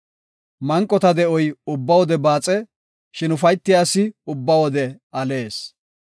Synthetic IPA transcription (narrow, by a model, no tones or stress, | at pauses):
mɐŋkʼːɔt̪ɐd̪ɛɔjʊbːɐwɔd̪ɛbaːt͡sʼɛ | ʃɪnʊfɐjt̪ːɪjaːsːɪʊbːɐwɔd̪ɛ | ɐle̞ːs